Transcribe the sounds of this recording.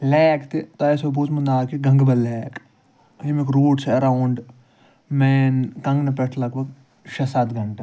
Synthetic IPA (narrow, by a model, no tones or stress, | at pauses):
lɛːkt̪et̪ɐesoboːt͡ʃmɐnd̪aːkiɡɐ̃ŋɡbɐlɛːk | ɦimikɾoːɖt͡ʃʰeɐɾaːwʊɳɖ | mɛːnkɐ̃ŋɡnɐpeʈʰlɐɡbʱɐɡ̚ | ʃɐsat̪ɡʱɐɳʈe